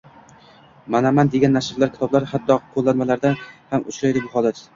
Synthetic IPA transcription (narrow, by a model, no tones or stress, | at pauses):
manamand̪e̞ɡʲanːaʃɪɾlaɾkʲɪ̥t̪ʰɒblaɾhat̪ʰːɒqʰːolˠːanmalaɾd̪ahamʊt͡ʃʰɾajd̪ɪbʊhɒlˠat̪